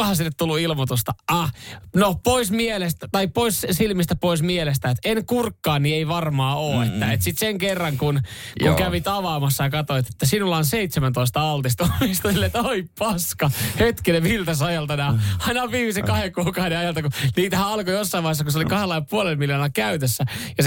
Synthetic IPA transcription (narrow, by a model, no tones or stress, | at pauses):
hɑsinːet̪ulːuilmot̪ust̪ɑɑnopoismielest̪æt̪ɑippoissilmist̪æpoismielest̪æːet̪enkurkːɑːnnieiʋɑrmɑːoːet̪ːæet̪sit̪seŋkerːɑŋkunuŋkæʋit̪ɑʋɑːmɑsːɑjɑkɑt̪oit̪et̪ːæsinulːɑːnseit̪semænt̪oist̪ɑɑlt̪ist̪omist̪ɑsilːet̪oippɑskɑhet̪kineʋilt̪ɑsɑjɑlt̪ɑnɑɑɑinɑʋiːmisekɑhekuːkɑhdeɑjɑlt̪ɑkuniːt̪æhæɑlkojosːɑimɑihesːɑkuseolikɑhelːɑilpuolelmiljonɑlkæyt̪øsːæjɑs